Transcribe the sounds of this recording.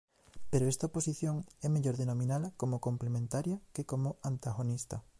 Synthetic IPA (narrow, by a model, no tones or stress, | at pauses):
peɾoɛst̪ɐoposiθjoŋɛmeʎoɾðenomĩnalɐkomokomplemẽnt̪aɾjɐkekomoant̪aɣonist̪ɐ